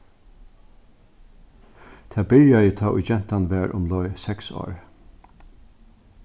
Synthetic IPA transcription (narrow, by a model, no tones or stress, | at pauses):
t̪ʰæːbɪɾjajɪt̪ʰɑːʔʊ̰d͡ʒɛn̥t̪anʋæːɹʔʊ̰mlɔʏsɛkso̰ːɹ